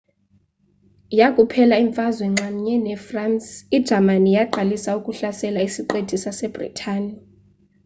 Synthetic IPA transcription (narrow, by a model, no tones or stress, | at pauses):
jakʼupʰɛlaiɱfazwɛŋ͡ǁʱam̩ɲɛnɛfransid̥ʒ̥ʱamanijaǃalisaukʼuɬasɛlaisiǃed̥ʱisasɛb̥rḭtʰaːni